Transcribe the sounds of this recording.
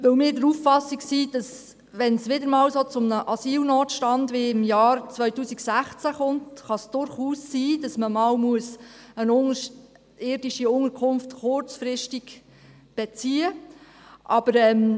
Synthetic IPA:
ʋɵwmɪːɾdəɾuːffɑsːiksid̥ɑs | ʋɛnsʋɪd̪əɾmɑːwsot͡sʊmnəʔɑsiːlnoːt̪ʃtɑndʋɪɪmjɑːɾt͡sʋœʏtuːsiksæχt͡sæχʊntχɑsd̥ʊɾχuːsːiːdɑsməmɑːwmuəsənʊŋəʃ | ɪːɾdiʃiʊŋəɾkʰʊmftχʊɾt͡sfɾɪʃtiɡ | b̥ɛt͡siːə | ʔɑb̥əɾɛːm

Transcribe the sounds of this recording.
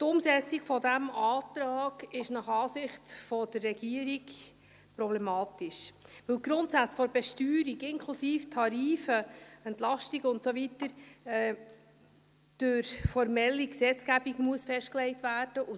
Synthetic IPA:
tʊmsɛt͡siɡ̥fɔdæmɑːt̪ɾɑːɡ̥ɪʃnɑχɑːsɪχtfɔd̥ərːɛɡ̥iəɾiɡ | pɾɔblɛmɑːtiʃʋɵwlɡ̥ɾʊntsæt͡sfɔɾbɛʃtyːɾiɡɪŋkʰlusiːftʰɑɾiːfəɛntlɑʃtiɡəʊntsovitəɾ | d̥øɾfɔɾmɛlːiksɛt͡sɡ̥æbiɡmuəsfɛʃtklɛɪtvæːɾd̥əʔʊ

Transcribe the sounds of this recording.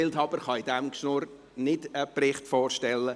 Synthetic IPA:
ɪlthɑːbəɾχɑɪdɛmkʃnuɾ | nɪdəprɪχtfoːrʃtɛlːə

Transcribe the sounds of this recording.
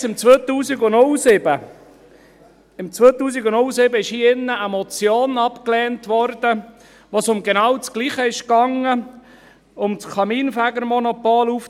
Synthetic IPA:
sɪmt͡sʋœːt̪uːsiɡʊnolsɪb̥ə | ɪmt͡sʋøːt̪uːs̬iɡʊnʊlsɪbəɪʃhiːɪnːəʔəmɔt͡sjoːnɑpklɛːntʋɔɾd̥ə | ʋosʊmɡɛnɑːwt͡skliːχəɪʃkɑŋə | ʊmt͡skʰɑmiːnfæɡəɾmɔnɔpoːluf

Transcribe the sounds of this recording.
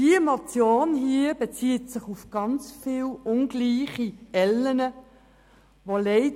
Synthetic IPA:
d̥iəmɔt͡sjoːnɦiːəbet͡siːtsɪχufɡ̥ɑnt͡sfiːlʊnɡliːχiɛlːənə | ʋoleɪ

